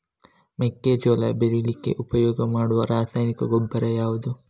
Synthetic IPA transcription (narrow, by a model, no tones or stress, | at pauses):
mekːed͡ʒolɐbeɾilikːe̞̰ʔupɐjɔːɡɐmaːɽuʋɐɾaːsaːjnikɐɡobːɐɾejaːʋud̪u